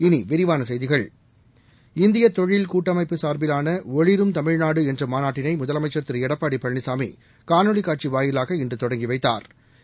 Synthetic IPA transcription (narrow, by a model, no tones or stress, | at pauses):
ɪniʋɪɾɪʋaːnɐsɐjðɪɣɐɭ | ɪnd̪ɪjɐt̪ːɔɻɪlkuːʈːɐmɐɪpːɯsaːɾbɪlaːnɐɔɻɪɾɯmt̪ɐmɪɻnaːɽɯɛndrɯmaːnaːʈːɪnɐɪmʊðɐlɐmɐɪt͡ʃːɐɾt̪ɪɾɯɛɽɐpːaːɽipɐɻːɪsaːmḭ | kaːnɔɭɪkːaːʈ̚t͡ʃiʋaːjɪlaːɣɐɪndrɯt̪ɔɽɐŋɡiʋɐɪt̪ːa̰ːɾ